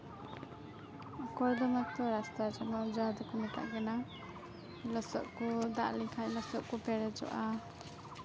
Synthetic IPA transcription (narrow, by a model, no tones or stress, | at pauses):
kɔjd̪ɔmak̚t̪ɔɾast̪ad͡ʒɔnad͡ʒad̪ɔkɔmɛt̪ʰa̰ʔɡɛna | lɔsɔʔkud̪aʔlikʰajlɔsɔʔkupɛɾɛd͡ʒɔ̰ʔa